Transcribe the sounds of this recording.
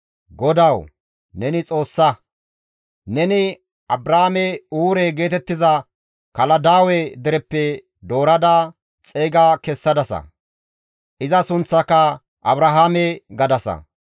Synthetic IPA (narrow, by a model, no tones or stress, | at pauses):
ɡɔd̪ɐw | nɛnɪt͡sʼo̞ːsːɐ | nɛnɪ | ɐbɾɐhamɛuːɾɛɡe̞ːt̪ɛt̪ːɪzɐ | kɐlɐd̪aːwɛd̪ɛɾɛpːɛ | d̪o̞ːɾɐd̪a | t͡sʼeːɡakɛsːɐd̪ɐsɐ̰ | ʔɪzɐsʊnt͡sːɐkːɐ | ʔɐbɾɐɦaːmɛɡɐd̪ɐsɐ̰